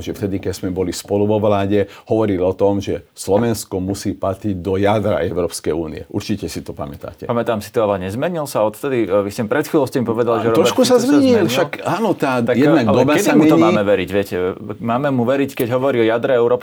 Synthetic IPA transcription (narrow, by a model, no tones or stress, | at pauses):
ʒɛft̪ɛd̪ikɛz̥mɛbɔlispɔluʋɔʋlaːɟɛhɔʋɔɾilɔt̪ɔmʒɛslɔʋɛnskɔmusiːpat̪ɾiɟd̪ɔjad̪ɾa̰ʔɛʊɾɔːpskɛjuːnḭɛʔuɾt͡ʃicɛsit̪ɔpa̰mɛt̪a̰ːcɛ̰pamɛt̪aːmsi̥t̪ɔalɛɲɛzmɛɲilsaɔt̪t̪ɛd̪iʋiscɛmipɾɛt̪xilɔʊscɛmipɔʋɛd̪alʒɛɾɔɾɔɔʃkusazmɛɲilfʃakaːnɔt̪aːt̪ajɛd̪naɡd̪ɔbakɛdsamumɛt̪ɔɲiaːmɛʋɛɾiɟʋɪɛcɛmaːmɛmuʋɛɾickɛɟɦɔʋɔɾiɔjad̪ɾɛɛʊɾɔːp